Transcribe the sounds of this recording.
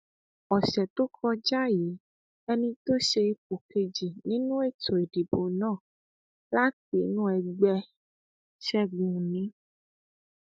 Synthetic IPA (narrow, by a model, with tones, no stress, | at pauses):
ɔ˨ʃɛ˨to˦kʰɔ˧d͡ʒa˦ji˨˦ | ɛ˧nĩ˧t̪o˦ʃe˧i˧p̚o˨ke˧d͡ʒi˨nĩ˦nũ˦e˦˨to˨e˨di˨bo˨nãː˦˨ | la˦te˨˦nũ˦ɛ˧ɡ͡bɛ˧ | ʃɛ˦ɡ͡bũ˨nĩ˨˦